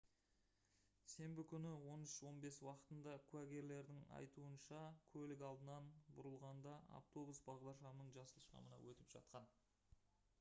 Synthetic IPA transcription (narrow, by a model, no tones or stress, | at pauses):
se̞mbɪkʲʰʏnɪwo̞nɪʃwo̞nbe̞swɑqə̥t̪ənd̪ɑkʲʰuæɡʲe̞ɾle̞ɾd̪ɪŋɑ̰jt̪uənʃɑkʲʰɵlɪkɑlˠd̪ənɑnbʊɾəlˠʁɑnd̪ɑa̰ft̪o̞busbɑʁd̪ɑɾʃɑmnəɴʒɑsəlˠʃqɑ̰mənɑ̰wɵt̪ɪpʒ̥ɑ̰t̪̚qɑn